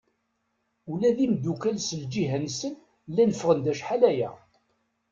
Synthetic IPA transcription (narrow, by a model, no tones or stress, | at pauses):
ulæðimd̪ukælsəld͡ʒiɦænsən | lːænəfʁənd̪æʃħalæjæ̰